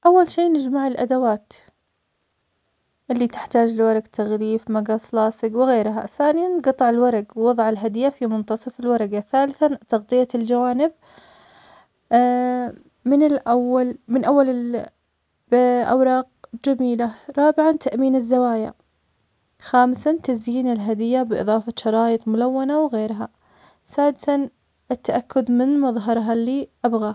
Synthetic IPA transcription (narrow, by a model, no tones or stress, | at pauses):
ʔawːalʃiːnɪd͡ʒmaʕɪlʔa̰d̪awaːt̪ | ʔɪlːit̪ɪ̥ħt̪aːd͡ʒlɪwɑɾˤɑɡt̪ʰaɣɾiːfmaɡaslɑːsɪɡwɪɣeːɾɦa̰θaːnɪjanɡɑt̪ˤːɑʕɪlwɑɾˤɑɡwwɑðˤʕɪlɦad̪ɪjːafimʊnt̪ɑsˤɑfɪlwɑɾˤɑɡaθaːlɪθat̪ɑɣt̪ˤɨjːald͡ʒawaːnɪb̚ | mɪnɪlʔawːalmɪnʔawːalɪ | ʔa̰wɾˤɑːq̚d͡ʒamiːlaɾˤɑːbɪʕant̪ʰaʔmiːnɪzːawaːja̰ | xaːmsat̪azjiːnɪlɦad̪ɪjːabɪʔɨ̰ðˤɑːfaʃɑɾˤɑːjɨt̪ˤmʊlawːanawɣeːɾɦa | saːd̪ɪsan | ʔɪt̪ːaʔakːʊd̪mɪnmɑðˤɦɑɾˤɦalːiːʔabɣa